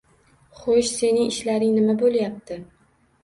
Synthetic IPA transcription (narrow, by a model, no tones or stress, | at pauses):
χoʃse̞nɪŋɪʃlaɾɪŋnɪmabolˠjap̚t̪ʰɪ